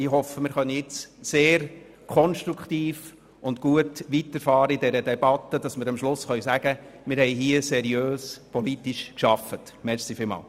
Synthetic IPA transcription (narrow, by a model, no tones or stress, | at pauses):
ɪɦɔfəmɪɾχœnːəjɪt͡sseːɾ | kʰɔnʃtɾukχt̪iːf | ʊntkuətʋitəɾfɑːɾəidɛɾədɛbɑt̪ːəd̥ɑsmɪːɾɑmʃlʊsχœʏsæɡ̥əmɪɾhɛɪɦiːəsɛɾjøːspʰɔlitiʃkʃɑfət | mɛɾsifɪlmɑ̰ːl